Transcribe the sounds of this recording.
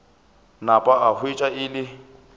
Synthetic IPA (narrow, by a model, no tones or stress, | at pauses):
napʼaahwet͡ʃʼaɪlɪ